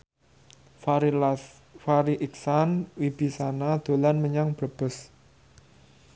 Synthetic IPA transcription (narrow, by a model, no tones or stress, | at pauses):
faɾiʔiksanwib̥i̤sanad̪̥o̤lanməɲaŋb̥ɾəb̥ʊ̤s